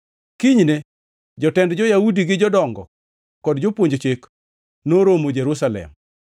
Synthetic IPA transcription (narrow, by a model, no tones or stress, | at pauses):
kiɲne | d͡ʒɔtɛndd͡ʒɔjaudiɡɪd͡ʒɔdɔŋɡɔ̰ | kɔdd͡ʒopwoɲd͡ʒt͡ʃek | noɾomod͡ʒeɾusalɛ̰m